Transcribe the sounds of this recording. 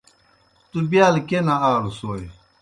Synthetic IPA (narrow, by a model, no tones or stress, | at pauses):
t̪ubjaːlkenaaːɾusoːj